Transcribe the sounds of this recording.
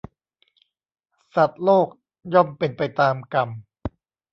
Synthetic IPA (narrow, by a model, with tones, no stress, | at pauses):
sa˨˩t̪̚loː˥˩k̚ | jɔ˥˩mpe˧npa˧jt̪aː˧mka˧m